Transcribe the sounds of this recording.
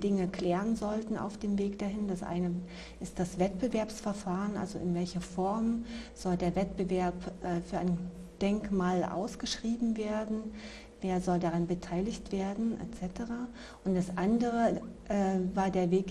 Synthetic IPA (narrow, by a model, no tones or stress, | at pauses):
d̥ɪŋəkl̥ɛːʁənzɔltn̩a̰ʊfd̥eːmveːkd̥ahɪnd̥asʔa̰ɪnə | ʔɪst̚d̥asv̥ɛt̚b̥əvɛɐpsfɛɐfaːʁənʔa̰lzoɪnvɛlçɐfɔɐmz̥ɔldeːɐvɛtb̥əvɛɐpʔɛːfyːɐʔaɪn | d̥ɛŋkmaːlʔa̰ʊsɡ̥əʃʁ̥iːbm̩veːɐdn̩ | veːɐzɔldaʁanbətʰaɪlɪçtv̥eːɐdn̩ʔɛ̰t͡sɛtəʁaː | ʔʊntd̥asʔandəʁ̞əʔɛːvaːɐdeːɐveːk